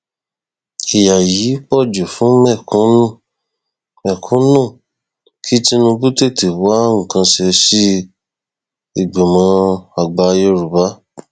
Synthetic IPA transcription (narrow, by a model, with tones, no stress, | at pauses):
i˨ja˨ji˨˦k͡pɔ˦˨d͡ʒo˨fũ˨˦mɛ˦˨kũ˦nũ˦˨ | mɛ˨kʰũ˦nũ˦˨ | kʰi˦ti˦nũ˧bu˦te˦˨te˨wa˦ŋ̩˨kã˧ʃɛ˧si˦ | i˨ɡ͡be˨mã˧˦a˨ɡ͡ba˧jo˧ɾu˨ba˨˦